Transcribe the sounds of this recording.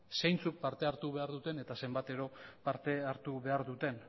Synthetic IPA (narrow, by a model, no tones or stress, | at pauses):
sejnt͡suk̚paɾt̪e̞aɾt̪uβe̞aɾðut̪e̞ne̞t̪ase̞mbat̪e̞ɾo̞paɾt̪e̞aɾt̪uβe̞aɾðut̪e̞n